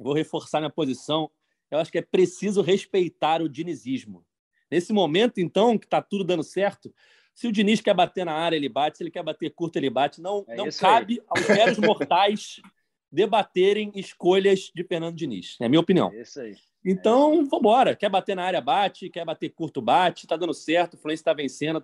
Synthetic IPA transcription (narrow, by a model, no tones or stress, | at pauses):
vowɦefoɾsamĩɐpozisɐ̃w̃ | ewaʃʊ̥kɪɛpɾesizʊɦeʃpejt̪aɾʊd͡ʒiniziʒmʊ | nesɪmomẽnt̪ʊẽnt̪ɐ̃w̃kɪ̥t̪at̪ud̪ʊd̪ɐ̃nd̪ʊsɛχt̪ʊ | sɪʊd͡ʒiniʃkɛɾbat̪eɾnɐaɾjɐelɪbat͡ʃɪ̥selɪkɛɾbat̪eɾkuɾt̪ʊelɪbat͡ʃɪnɐ̃w̪̃ɐ̃ĩkabɪawzɛɾɾʊzmoχt̪ajʃ | d̪ebat̪eɾẽj̃ɪʃkoʎɐzd͡ʒɪfehnɐ̃nd̪ʊd͡ʒinḭʃɛ̰ɐmĩɲɐopiniɐ̰̃w̃iɐi | ẽt̪ɐ̃w̃võbɔɾɐkɛbat̪enɐaɾjɐbat͡ʃɪkɛbat̪eɾkuɾt̪ʊbat͡ʃɪ̥t̪ad̪ɐ̃nd̪ʊsɛχt̪ʊfluẽsjɐt̪avẽsẽnd̪ʊ